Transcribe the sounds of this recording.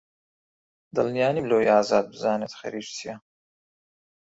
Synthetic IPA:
d̪ɐlnijaːnimloːjaːzaːd̪̚bzaːnɛt̪χɛ̰ɾiːʃsʰija

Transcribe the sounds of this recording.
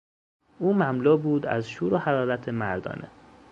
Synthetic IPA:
ʔuːmæmlɔːbuːd̪æ̰zʃuːɾohæɾɒːɾæt̪ʰemæɾd̪ɒ̰ːnʔḛ

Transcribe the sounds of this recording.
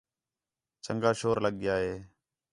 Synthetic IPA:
t͡ʃəŋɡaːʃoːɾləɠɪjaːɦeː

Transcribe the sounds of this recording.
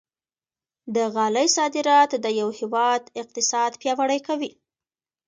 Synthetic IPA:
d̪əɣɑləjsɑd̪ɪɾɑt̪d̪əjawhɪwɑd̪ɪq̚t̪ɪsɑd̪pjɑwaɽəjkawi

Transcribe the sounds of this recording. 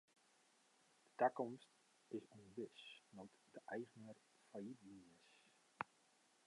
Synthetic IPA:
d̥ə̥takɔmst | ɪsonʋɪsnɔtdəʔɛjɣənər | fajitliəs

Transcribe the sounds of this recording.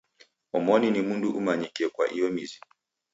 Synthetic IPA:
ɔmɔninimunduʔumaɲikiɛkwa̰ʔijɔmizi

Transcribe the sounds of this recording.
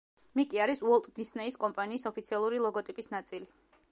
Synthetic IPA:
mikʼiaɾisuɔlˠt̪ʼd̪isnɛiskʼɔmpʼaniːsɔpʰit̪sʰialˠuɾilˠɔɡɔt̪ʼipʼisnat̪sʼili

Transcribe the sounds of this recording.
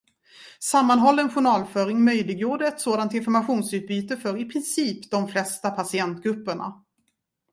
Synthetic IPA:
samːanɦɔlːəɛnɧʊɳɑːlfœɾɪŋmœjlɪɡjuːɖəɛt̪soːd̪ant̪ɪnfɔɾmaɧuːnsʉ̟ːt̪̚byːt̪əfœɾɪpʰɾɪnsiːpd̪ɔmflɛst̪apʰasɪɛnt̪̚ɡɾɵpːəɳa̰

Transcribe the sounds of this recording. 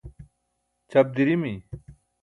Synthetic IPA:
t͡ɕɐb̚d̪iɾimi

